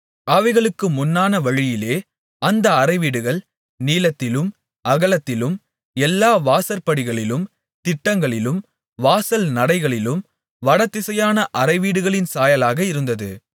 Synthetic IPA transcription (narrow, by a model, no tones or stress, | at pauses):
ɐʋɐɪɣɐɭɯkːɯmʊnːaːnɐʋɐɻɪjɪleː | ʔɐnd̪ɐːrɐɪʋiːɽɯɣɐɭ | niːlɐt̪ːɪlɯm | ʔɐɣɐɭɐt̪ːɪlɯm | ɛlːaːʋaːsɐɾpɐɽɪɣɐɭɪlɯm | t̪ɪʈːɐŋɡɐɭɪlɯm | ʋaːsɐlnɐɽɐɪɣɐɭɪlɯm | ʋɐɽɐt̪ːɪsɐjaːnɐʔɐrɐɪʋiːɽɯɣɐɭɪnsaːjɐlaːɣɐɪɾɯnd̪ɐðɯ